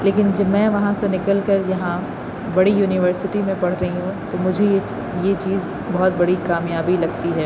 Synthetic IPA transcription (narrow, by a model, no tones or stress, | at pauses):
leːkɪnd͡ʒɐbmɛ̃ːʋɐɦãsenɪkəlkɐɾjɐɦã | bɐɽijuːnɪʋəɾsɪʈimẽpɐɽ̤ɾɐɦiɦũt̪omʊd͡ʒʱee | jet͡ʃiːz | bɔɦɔt̪̚bɐɽikaːmjaːbilɐɡt̪iɦɛː